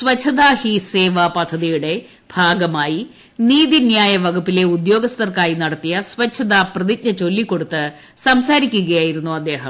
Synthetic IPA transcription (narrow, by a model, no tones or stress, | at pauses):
sʋɐt͡ɕʰːɐðaːhiseːʋapɐd̪ʱːɐðijuɽe̞ | b̥ʱaːɡɐmaːji | niːðinjaːjɐʋɐɡupːile̞ud̪jo̞ːɡɐst̪ɐrkaːjinɐɽɐt̪ːijɐsʋɐt͡ɕʰːɐðaːprɐðik̚ɲɐt͡ɕo̞lːikːo̞ɽut̪ːɨ | sɐmsaːɾikʲːuɣɐjaːjiɾunːuɐd̪ːe̞ːɦɐm